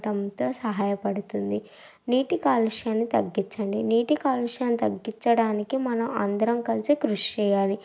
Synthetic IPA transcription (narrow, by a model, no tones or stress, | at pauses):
ʈɐmt̪o̞ːsɐɦaːjɐpɐɽut̪und̪i | niːʈikaːluʂjaːnːit̪ɐɡːit͡ʃːɐɳɖiniːʈikaːluʂjaːnːit̪ɐɡːit͡ʃːɐɽaːnikimɐnɐmɐ̰nd̪ɐɾɐmkɐlisikɾuʂt͡ʃɛːjaːli